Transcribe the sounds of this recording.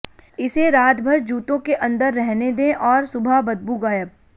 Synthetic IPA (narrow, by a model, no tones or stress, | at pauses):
ɪseɾaːt̪bʱɐɾd͡ʒuːt̪õkeʔɐ̃nd̪əɾːɛɦned̪ẽʔɔːɾsʊbʱabɐd̪̚buːɡaːjəb̚